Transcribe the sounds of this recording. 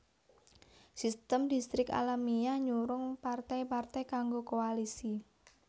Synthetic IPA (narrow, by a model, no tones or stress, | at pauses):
sist̪əmdist̪ɾɪka̰lamiaɲuɾʊŋpart̪ajpart̪ajkaŋɡokoalisi